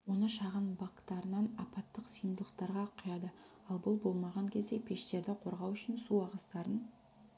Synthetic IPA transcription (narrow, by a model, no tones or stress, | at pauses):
wo̞nəʃɑʁənbakt̪ɑɾənɑnɑpɑt̪ːəqsijnd̪əlˠəq̚t̪ɑɾʁɑqʰʊjɑd̪ə | ɑlˠbʊlˠbo̞lˠmɑʁɑŋkʲʰe̞zd̪e̞pʰe̞ʃt̪e̞ɾd̪ɪqʰo̞ɾʁɑwʏʃɪnsuɑʁəst̪ɑɾən